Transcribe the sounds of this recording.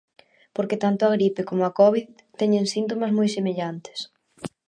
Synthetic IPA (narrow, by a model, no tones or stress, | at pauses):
poɾket̪ant̪ʊaɣɾipekomoakɔβið | t̪ɛɲẽŋsint̪̬omɐzmojsemeʎant̪ɪ̥s